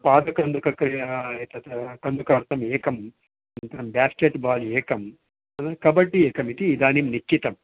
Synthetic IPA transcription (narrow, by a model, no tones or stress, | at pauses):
paːd̪ɐkɐnd̪ukɐkɾiet̪ɐt̪kɐnd̪ukaːɾt̪ɐmeːkɐm | ɐnnt̪ɐɐmbʲaːskeʈːbaːleːkɐm | ɐnɐɾkɐbɐʈːieːkɐmit̪iːd̪aːnimnikt͡ʃːit̪ɐm